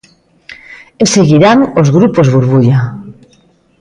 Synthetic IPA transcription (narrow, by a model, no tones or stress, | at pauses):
eseɣiɾaŋozɣɾupozβuɾβuʎa